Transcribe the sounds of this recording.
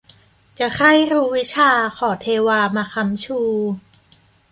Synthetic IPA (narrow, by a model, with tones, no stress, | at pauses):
t͡ɕa˨˩kʰa˥˩jɾuː˦˥wi˦˥t͡ɕʰaː˧kʰɔː˨˩t̪ʰeː˧waː˧maː˧kʰa˧˥mt͡ɕʰuː˧